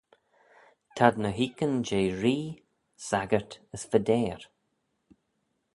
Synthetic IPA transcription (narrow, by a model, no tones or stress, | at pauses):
t̪ʰad̪nəɦiːkənd͡ʒeːɹiː | saɡəɹt̪əsfəd̪ɛːɹ